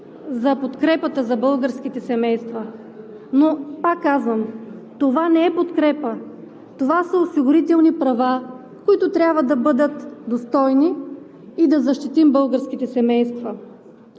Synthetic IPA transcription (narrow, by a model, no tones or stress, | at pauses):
zɐpot̪kɾɛpət̪əzɐbɤlˠɡəɾsk̟it̪ɛsɛmɛjst̪vɐ | nopakːazvəmt̪ovanɛɛpot̪kɾɛpə | t̪ovasəosiɡʊɾit̪ɛlˠnipɾɐva | koit̪ʊt̪ɾʲabvəd̪ɐbɤd̪ət̪d̪ost̪ɔjniː | d̪ɐzɐʃt̪it̪imbɤlˠɡəɾsk̟it̪ɛsɛmɛjst̪vɐ